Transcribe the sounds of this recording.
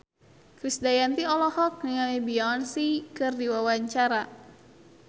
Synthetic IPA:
kɾisdajant̪iɔlɔhɔk̚niŋamebiɔnsikɨrdiwawaɲt͡ʃaɾa

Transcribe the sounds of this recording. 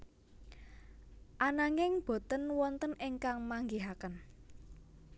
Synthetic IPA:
ʔanaŋɪŋb̥o̤t̪ənwɔnt̪ənɪŋkaŋmaŋɡeɦakən

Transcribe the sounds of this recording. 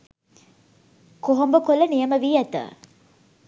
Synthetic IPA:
koɦombəkolənijəməʋiːæt̪ə̰

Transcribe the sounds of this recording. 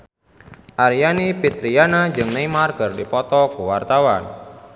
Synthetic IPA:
ʔaɾijanipit̪ɾianad͡ʒɨŋnejmarkərdipɔt̪ɔkuwart̪awan

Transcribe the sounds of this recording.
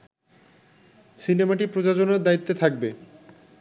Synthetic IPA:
sinemaʈipɾod͡ʑad͡ʑonaɾd̪ait̪ːet̪ʰak̚be

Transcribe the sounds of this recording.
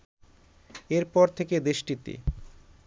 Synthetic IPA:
eɾpɔɾt̪ʰeked̪eʃʈit̪ḛ

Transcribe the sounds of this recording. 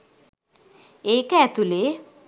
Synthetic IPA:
eːkɛːt̪ule

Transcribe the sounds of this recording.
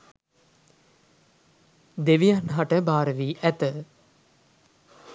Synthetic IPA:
d̪eʋijanɦaʈəbaːɾəʋiːʔæt̪ə

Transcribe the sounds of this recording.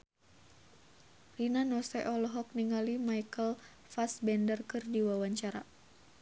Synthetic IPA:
rinanɔsɛʔɔlɔɦɔk̚niŋalimajkəl | fasbɛndərkɨrdiwawaɲt͡ʃaɾa

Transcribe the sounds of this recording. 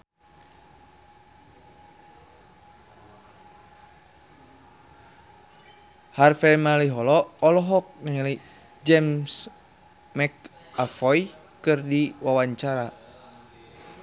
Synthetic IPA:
harfɛmaliɦɔlɔːlɔɦɔk̚naɲali | d͡ʒɛms | mɛk | afɔj | kɨrdiwawaɲt͡ʃaɾa

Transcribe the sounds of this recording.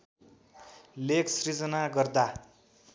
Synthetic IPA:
lekʰsrid͡zʌnaɡʌrd̪a

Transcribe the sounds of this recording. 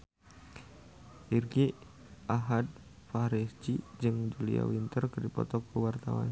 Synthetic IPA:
ʔirɡi | ʔaɦad̪̚ | faɾisd͡ʒid͡ʒɨŋd͡ʒulia̰wint̪ərkərdipɔt̪ɔkːuwart̪a̰wa̰n

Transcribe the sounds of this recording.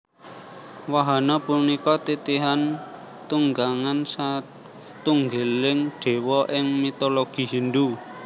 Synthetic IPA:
waɦanɔpunikɔt̪it̪iɦan | t̪uŋɡaŋansa | t̪uŋɡelɪŋɖ̥e̤wɔʔɪŋmit̪oloɡ̥i̤ɦind̪u

